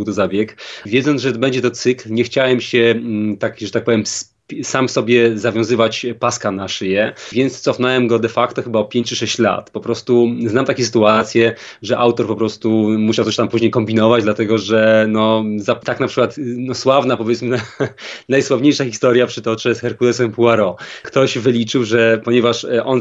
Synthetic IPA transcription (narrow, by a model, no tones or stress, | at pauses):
wt̪ɔzabʲjɛkvʲjɛd̪zɔnʐɛɔd̪bɛɲd͡ʑɛt̪ɔt̪sɘklɲɛxt͡ɕawɛmɕɛt̪akʐɛt̪ak̚pɔvʲjɛms | pʲsamfsɔbʲjɛzavʲjɔ̃w̃zɘvat͡ɕpaskanaʂjɛvʲjɛnt̪st̪sɔfnɔwɛmɡɔd̪ɛfakt̪ɔxɘbaɔpʲjeɲt͡ɕɨʂɛɕt͡ɕla̰t̪pɔpɾɔst̪uznamt̪akʲeɛs̬ɨt̪uat̪sʲjɛ | ʐɛʔawt̪ɔɾpɔpɾɔst̪umuɕawt̪ɔɕt̪ampuʑɲejkɔmbʲinɔvad͡ʑd̪lat̪ɛɡɔʐɛnɔzat̪aknapʂɘ̥kwat̪nɔswavnapɔvʲjɛt̪smɘnanajswavɲejʂaxʲist̪ɔɾjapʂɘt̪ɔt͡ʂɛsxɛɾkud̪ɛsɛmpuaɾɔkt̪ɔʑvɘlʲit͡ʂɘwʐɛpɔɲɛvaʂʔɔn